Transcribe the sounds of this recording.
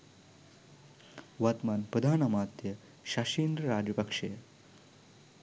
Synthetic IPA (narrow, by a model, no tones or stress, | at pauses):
ʋat̪maːnpɾɐd̪ʱaːnamaːt̪jə | ɕaɕiːnd̪ɾəɾaːd͡ʒjɐpɐkʂe